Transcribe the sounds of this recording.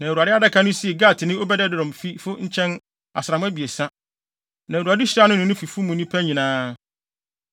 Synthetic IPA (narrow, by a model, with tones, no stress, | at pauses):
nã˨ɾu˨a˨dɪ˦a˦dɛ˦kʰã˦nʊ̃˦si˦e˨ɡa˦˨tʰɪ˨nɪ̃˦o˦bɛ˦dɛ˦dɪ˦˨ɾɔ̃˨mfi˦fʊ˦ɲ̩˦t͡ɕʰɛ̃˦n | a̰˨sɾa˨m̃˦æ˦bi˨e˨sã˦ | nã˨ɾu˨a˨dɪ˦ɕɪ˦ɾa˦nʊ̃˦nʊ̃˨nʊ̃˦fi˨fu˦mũ˨nĩ˦pʰæ˦ɲĩ˨nãː˦